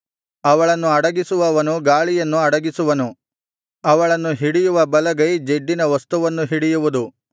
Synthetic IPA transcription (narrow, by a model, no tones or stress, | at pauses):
ɐʋɐɭɐnːuɐɽɐɡisuʋɐʋɐnuɡaːɭijɐnːuɐɽɐɡisuʋɐnu | ɐʋɐɭɐnːuɦiɽijuʋɐbɐlɐɡɐjd͡ʒeɖːinɐʋɐst̪uʋɐnːuɦiɽijuʋud̪u